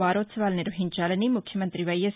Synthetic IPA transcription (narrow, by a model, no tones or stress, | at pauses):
aːɾosʋaːlneɾoɦint͡ʃaːlənimʊkʰjəmənt̪ɾiʋɐjəs